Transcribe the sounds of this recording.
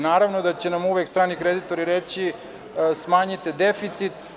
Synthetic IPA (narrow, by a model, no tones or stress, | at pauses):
naːɾaʋnod̪at͡ɕenamuʋekst̪ɾaːnikɾed̪it̪o̞ɾiɾet͡ɕi | smaːɲit̪ed̪efit̪sit̪